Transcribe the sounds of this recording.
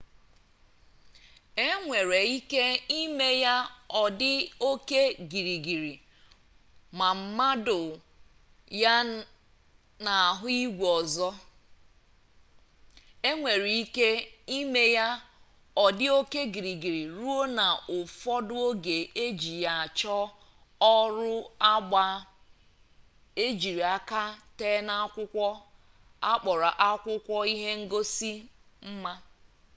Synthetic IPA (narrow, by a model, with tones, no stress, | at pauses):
e˦ŋʷe˨ɾe˨i˦ke˦i˦me˦ja˦ɔ˨dɪ˦o˦ke˦ɡi˨ɾi˨ɡi˨ɾi˨ | ma˨m̩˦ma˦dʊ˨ | ja˦ | na˨a˨ɦʊ˦i˦ɡʷɔ˨zɔ˦ | e˦ŋʷe˨ɾi˨i˦ke˦i˦me˦ja˦ | ɔ˨dɪ˦o˦ke˦ɡi˨ɾi˨ɡi˨ɾi˨ɾu˦o˦na˨ʊ˨fɔ˦dʊ˦o˦ɡe˨e˦d͡ʒi˨ja˨a˨t͡ʃɔ˦ | ɔ˦ɾʊ˦a˦ɡ͡ba˨ | e˦d͡ʒi˨ɾi˨a˦ka˦teː˦na˦kʷʊ˦kʷɔ˦ | a˦k͡pɔ˨ɾa˨ʔa˦kʷʊ˦kʷɔ˦i˦ɦe˦ŋ̩˦ɡo˦si˦ | m̩˦ma˦